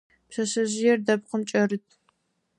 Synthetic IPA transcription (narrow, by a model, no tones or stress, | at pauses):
pɕɐɕɐʑɪjɛrdɐp̚qəmt͡ʃʼɐrɨtʰ